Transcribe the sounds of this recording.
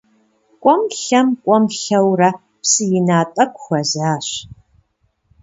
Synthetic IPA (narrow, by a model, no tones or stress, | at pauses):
kʷʼɔmɬɐmkʷʼɔmɬɐwrɐ | psɨjɪnaːtʼɐkʷʰʼxʷɐzaːɕ